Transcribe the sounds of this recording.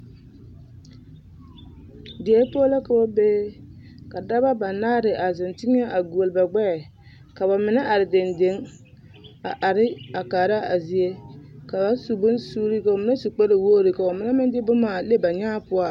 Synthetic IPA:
dɪ˨ɛ˦po˦la˦ka˨bɔ˦beː˦ka˨da˦ba˦ba˨naː˦ɾɪ˨ʔa˨zɪ˨ntɪ˦ŋ˦a˦ʔa˨ɡu˨o˨lba˨ɡ͡bɛ˦˨ | ka˨ba˨mɪ˨na˦ʔa˨ɾɪ˨de˨nde˨˦ŋ | a˨ʔa˨ɾɪ˦a˨kaː˨ɾa˦ʔa˨zi˦e˦ka˨ba˨su˨bʊ˦nsuː˦ɾi˦ka˨ʊ˨mɪ˨˦na˦su˨k͡pɛ˦ɾɪ˨woː˦ɾɪ˨ka˨ba˨mɪ˨na˦mɪ˦ndɪ˦bʊ˦maː˨le˦ba˨ɲaː˦pʊ˦a˦

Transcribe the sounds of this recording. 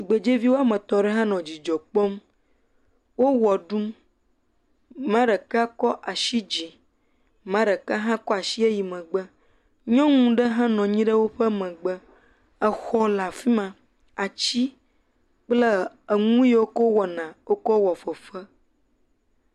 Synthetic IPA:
i˨ɡ͡be˨d͡ʒe˦vi˦wo˦a˦˨mə̃˨t̪ɔ̃˨ɖɛ˦ɦã˦nɔ̃˨d͡ʑi˨d͡ʒɔ˨k͡pɔ˦m | wo˦wɔ˨ɖu˦m | mã˦ɖə˨ka˦kɔ˦ʔa˨ʃi˦d͡ʑi˨ | mã˦ɖə˨ka˦ɦã˦kɔ˦a˨ʃi˦e˦ji˨mə̃˨ɡ͡bə˦ | ɲɔ̃˦ŋũ˦ɖə˦ɦã˦nɔ̃˨ɲĩ˦ɖə˦wo˦ɸə˦mə̃˨ɡ͡bə˦ | ə˨xɔ˦la˨fi˦mã˨ | a˨t͡ɕi˦ | k͡plə˦ | ə˨ŋũ˦je˦wo˦ko˦wɔ˨nã˨wo˦kɔ˦wɔ˨fə˨ɸə˦

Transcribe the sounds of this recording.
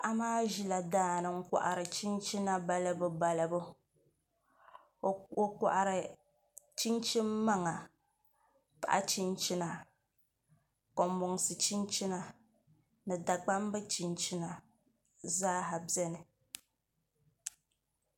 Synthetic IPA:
ʔa˦maː˦ʒi˦la˨daː˦nɨ˨ŋ̩˦ka̰˨ʔa̰˨ɾɨ˨t͡ʃi˦n˦t͡ʃi˦na˦ba˨lɨ˦bɨ˨ba˨lɨ˨bʊ˦˨ | o˨ka̰˨ʔa˨ɾɨ˨ | t͡ʃi˦nt͡ʃi˦mːa˦ŋa˨ | pa̰˨ʔa̰˦t͡ʃi˦nt͡ʃi˦na˨ | ko˨mbʊ˨ŋsɨ˨t͡ʃi˦nt͡ʃi˦na˨ | nɨ˨da˨ɡ͡ba˦m˦bɨ˦t͡ʃi˨nt͡ʃi˦na˨ | zaː˦ɦa˨bɛ˦nɨ˨

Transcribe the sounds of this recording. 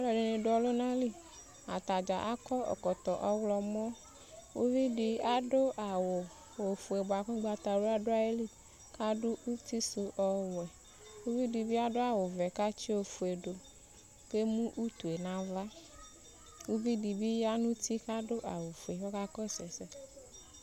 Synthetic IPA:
ɔ˦lɔ˨ɖe˨nẽ˨ɖo˨˦ɔ˨lo˦nã˦li˦ | a̰˨t̪a˨d͡ʒa˨ʔa˦kɔ˦ɔ̰˨kɔ˨t̪ɔ˨ʔɔ˦wlɔ˨mɔ̃˦ | wo˦vi˦ɖi˨a˦ɖo˦ʔa˨wo˨ | wo˨fu˨e˨bo˨a˨ke˦ɡ͡ba˨t̪a˨ɖo˦a˦ɖo˦a˦je˦li˦ | ka˦ɖu˦u˦t̪i˦su˨ʔɔ˨wɛ˨ | wu˦vi˦ɖi˨bi˦a˦ɖo˦a˨wo˨vɛ˨ka˦t͡ʃi˦o˨fu˨e˨ɖo˨ | ke˦mũ˦ʔu˦t̪u˨e˨nã˨va˦ | wu˦vi˦di˨bi˦ja˦nũ˦t̪i˦ka˦ɖo˦ʔa˨wo˨fu˨e˨wɔ˦ka˦kɔ˦˨sɛ˨sɛ˨

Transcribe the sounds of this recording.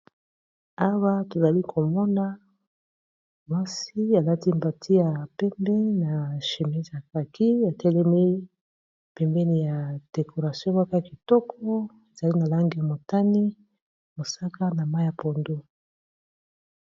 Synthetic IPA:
a˦wa˦to˨za˨li˦kʰo˨mɔ˦na˦ | mwa˦si˦a˨la˦ti˦mba˨tʰi˦ja˨pɛ˦mbɛ˦n˦na˨ʃe˨mɛ˦za˨ka˨ki˦a˨tɛ˦lɛ˦mi˦ | pɛ˨mbɛ˦ni˨ja˨d̥e˨kʰo˨ʁa˨sjɔ̃˦wa˦ka˦ki˨tɔ˦kʰɔ˦ | e˨za˨li˦na˨la˦ŋɡi˨ja˨mo˨ta˦ni˦ | mo˨sa˦ka˦na˨ma˦i˦ja˨po˨ndo˦

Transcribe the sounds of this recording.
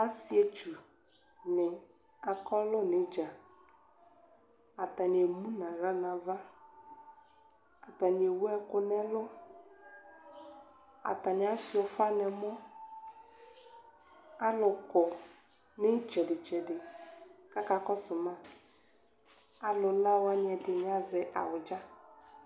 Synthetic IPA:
a˦si˨˦e˨t͡ʃu˨ | nɪ˨ | a˨kɔ˦lʊ˦nɪ˨d͡ʒa˨ | a˨t̪a˨ni˨e˨mũ˦nã˨ɾa˦nã˨va˦ | a˨t̪a˨ni˨e˨wu˦ɛ˦kʊ˦nɛ̃˦lʊ˦ | a̰˨t̪a˨nɪ˨˦a˦si˨ɔ˨fa˦nɛ˨mɔ˦ | a˦lʊ˨kɔ˨ | nɪ˦t͡ʃɛ˨dɪ˨t͡ʃɛ˨dɪ˨ka˦ka˨kɔ˦sʊ˨mã˦ | a˨lʊ˨la˦wa˦n˨ɛ˨dɪ˨n˨˦a˨zɛ˨ʔa̰˨wʊ˨d͡ʒa˦

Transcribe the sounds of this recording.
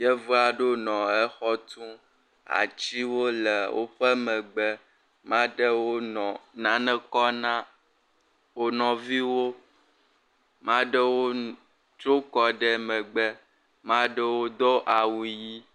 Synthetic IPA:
je˦vu˦a˨ɖo˦nɔ̃˨ɛ˦xɔ˦t̪ũ˦ | a̰˨t͡ʃi˦wo˦le˨wo̰˦ɸɛ˦mɛ̃˨ɡ͡bɛ˦ | mã˦ɖɛ˦wo˦nɔ̃˨nã˨˦nɛ̃˦kɔ˦nã˦ | wo˦nɔ̃˨vi˦wo˦ | mã˦ɖɛ˦wo˦ | t͡ʃo˦kɔ˦ɖɛ˦mɛ̃˨ɡ͡bɛ˦ | mã˦ɖɛ˦wo˦d̪o˦ʔa˨wu˨ji˦

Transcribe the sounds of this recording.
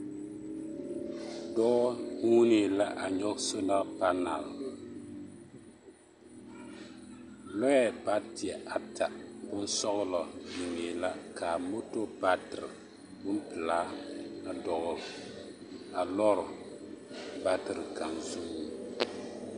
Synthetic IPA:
dɔ˦ʔɔ˦nu˦ni˨la˦ʔa˨ɲɔ˦kso˦na˦ʔpa˦na˨l | lɔ˦jɛ˦ba˦ti˨ɛ˨ʔa˨tʰa˨bʊ˦n˦sɔ˦ɣʊ˦lɔ˨du˨ŋeː˨la˦ka˨mo˦to˦ba˦tɨ˨ɾɨ˨ | bʊ˦m˦pɨ˨laː˦na˦dɔ˦ɣʊ˦ɾ | a˨lɔ˦ɾ | ba˦tɨ˨ɾɨ˨ka˨nzu˦mi˨

